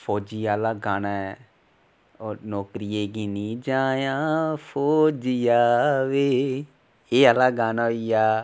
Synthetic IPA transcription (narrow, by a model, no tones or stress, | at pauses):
fʰoːd͡ʒiːaːlaːɡaːnaɛ | onɔːkɾijeːɡiːnĩːd͡ʒãːjãːfoːd͡ʒiaːʋeː | eːalaːɡaːnaːoijaː